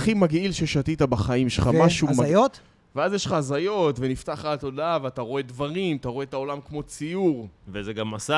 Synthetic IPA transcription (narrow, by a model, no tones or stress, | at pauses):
χimaɡilʃeʃatit̪abaχaimjeʃeχamaʃumaot | veazjeʃχaːzajo̞tveniftaχalat̪o̞daaveat̪aʁo̞e̞d̪vaʁimat̪aʁo̞e̞t̪ao̞lamkmo̞t͡sijuʁvezeɡamasa